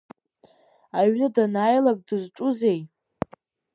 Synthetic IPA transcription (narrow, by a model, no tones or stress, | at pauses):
aɥnɨdanaːjlakʼdɨzʈ͡ʂʼuze̞j